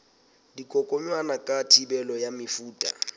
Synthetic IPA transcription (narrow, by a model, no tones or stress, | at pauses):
dikʼɔkʼɔɲwanakʼatʰibɛlɔjamɪfuːtʼa̰